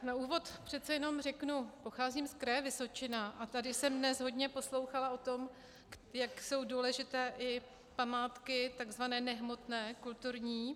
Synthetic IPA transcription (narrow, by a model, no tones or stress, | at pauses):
nauːvo̞t̪pr̝̥ɛt̪t͡sɛjɛno̞mrɛknupoxaːziːmskɾɛːvɪso̞t͡ʃɪnaʔat̪adɪsɛmdnɛsɦo̞dɲɛpo̞slo̞wxalao̞t̪o̞m | jakso̞wduːlɛʒɪt̪ɛːʔɪ | pamaːt̪kɪt̪aɡzvanɛːnɛɦmo̞t̪nɛːkult̪uɾɲiː